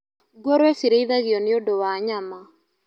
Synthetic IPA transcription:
ɡwɔɾwɛsiɾeiðaɣjɔneodowaɲama

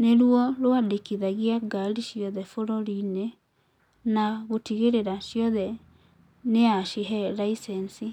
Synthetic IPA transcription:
neɾwɔloadekiðaɣiaɡaliʃjɔðɛfoɾɔɾine | naɣotiɣeɾeɾaʃjɔðɛ | neaʃiɦɛɾaisɛnsi

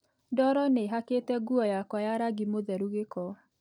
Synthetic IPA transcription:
dɔɾɔneɦaketɛɡuɔjakwajaɾaɡimoðɛɾuɣekɔ

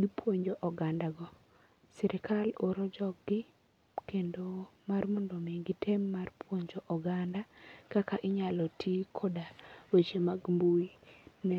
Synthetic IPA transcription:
ɡipwoɲd͡ʒoʔɔɡandaɡɔ | siɾɪkaloɾɔd͡ʒɔkɡɪ | kendomarmɔndɔmiɡitʰemːarpʰwoɲd͡ʒoʔɔɡandakakaʔɪɲalɔtʰikʰodawet͡ʃemaɡmbuinɛ

